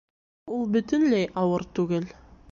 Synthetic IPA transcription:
ulˠbɵ̆t̪ɘ̆nlæjʔɑwɤɾt̪ʉɡɘl

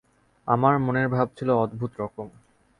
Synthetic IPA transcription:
amaɾmoneɾbʱab̚t͡ɕʰiloɔd̪bʱut̪ɾɔkom

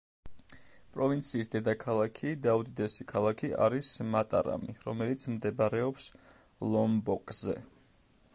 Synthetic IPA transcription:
pʼɾɔvint̪sʰiːsd̪ɛd̪akʰalˠakʰid̪aud̪id̪ɛsikʰalˠakʰia̰ɾismat̪ʼa̰ɾa̰miɾɔmɛlit̪sʰmd̪ɛbaɾɛɔps | lˠɔmbɔkʼzɛ̰

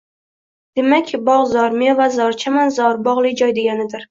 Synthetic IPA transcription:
d̪̥e̞makʲbɒʁzɒɾmvazɒɾt͡ʃʰamanzɒɾbɒʁlˠɪjd͡ʒɒjd̪e̞ɡʲanɪd̪ɪɾ

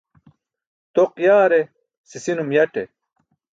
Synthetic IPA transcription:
t̪oqjaːɾe | sisinumjɐʈḛ

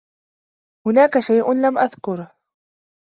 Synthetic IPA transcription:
hʊnaːkaʃajʔʊnlamʔaðkʊɾ

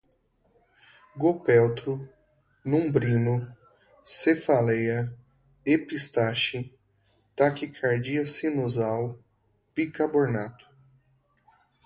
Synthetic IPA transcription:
ɡopɛwt̪ɾʊ | nũbɾĩnʊ | sefalejɐ | epist̪aʃɪ | t̪akikʰaɾd͡ʒiɐsinuzaw | pikaboɾnat̪ʊ̥

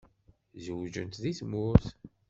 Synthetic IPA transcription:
zəwd͡ʒə̰nt̪ðiθmʊɾθ

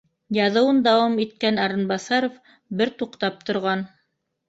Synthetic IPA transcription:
jɑðɤ̆wɤnd̪ɑwɑmit̪̚kænɑɾɤ̆nbɑsɑɾof | bɘɾt̪uqt̪ɑp̚t̪ŏɾʁɑn

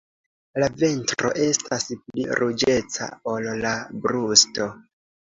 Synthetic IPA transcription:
lave̞ntɾo̞̰ʔe̞staspliɾʔud͡ʒe̞t͡sa̰o̞llabɾusto

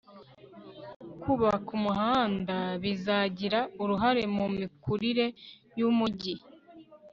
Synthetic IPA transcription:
kʰuβakumuɦaːndaβizaɟiɾauɾuɦaɾe̞mumikuɾiɾe̞ | jumuɟi

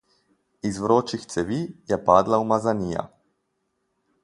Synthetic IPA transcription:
izʋɾoːt͡ʃixt̪sɛʋiːjɛpaːd̪laumazaniːja̰

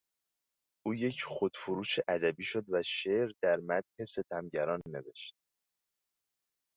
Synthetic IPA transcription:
ʔuːje̞cʰxod̪̥foɾuːʃeʔæd̪æbiːʃod̪væʃeːɾd̪æɾmæt̪he̞se̞t̪ʰæmɟæɾɒːnːe̞ve̞ʃt̪̚

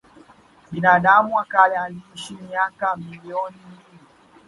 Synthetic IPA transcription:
ɓinaːɗamuwakalaliʃimiakamiliɔnimili

